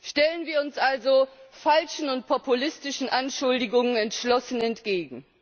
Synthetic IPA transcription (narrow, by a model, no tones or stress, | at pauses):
ʃtɛlənviːɐʊnsʔalzofalʃn̩ʊnt̚pʰɔpulɪstɪʃn̩ʔanʃʊldɪɡʊŋənɛntʃlɔsən̩ɛntɡ̥eːɡŋ̩